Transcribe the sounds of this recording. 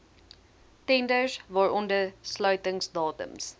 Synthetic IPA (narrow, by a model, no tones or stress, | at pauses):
tɛndəsvɑːɹʔɔndəslœɥtəŋsdɑːtə̰ms